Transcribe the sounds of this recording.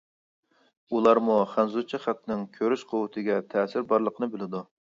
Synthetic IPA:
ulˠɑɾmuχænzut͡ʃʰiχæt̪ːnɪŋkʲʰøɾyʃqʰowɨt̪ʰɨɡʲɛt̪ʰɛːsɪɾbɑɾlˠəqʰənɨbɪlɪd̪u

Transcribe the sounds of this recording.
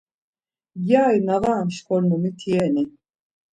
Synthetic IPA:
jaːjnavaːnʃkɔlmumit̪ʰiɛni

